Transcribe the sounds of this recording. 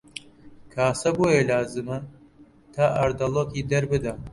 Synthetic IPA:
kʰaːsɐboːjelaːzɨmɐ | t̪ʰaːʔɐɾd̪ɐlˠoːkiːd̪ɐɾbɨd̪ɐ

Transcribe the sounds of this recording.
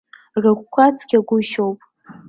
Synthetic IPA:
rɨkʷkʷat͡sʰʼɡʲaɡʷʊʃowpʼ

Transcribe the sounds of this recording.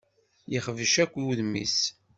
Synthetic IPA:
jiχəvəʃækʷːuðmḭs

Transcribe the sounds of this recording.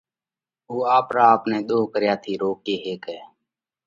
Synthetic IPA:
oːaːpɾaːəpnẽːɗ̪oːkəɾjaːt̪ʰiːɾoːkeːɦeːkɛː

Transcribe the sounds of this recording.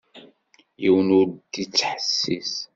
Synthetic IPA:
jiwənuɾd̪it͡sːħəsːis

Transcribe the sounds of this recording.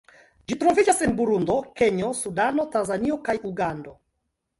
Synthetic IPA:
d͡ʒitɾo̞vid͡ʒasenbuɾundo̞ke̞ɲo̞sudano̞tanzanio̞kajuɡando̞

